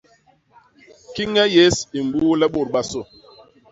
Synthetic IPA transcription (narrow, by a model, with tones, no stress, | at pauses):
ki˦ŋɛ˦je˦si˨m˨buː˦lɛ˦ɓo˦˨ɾɓa˦so˦˨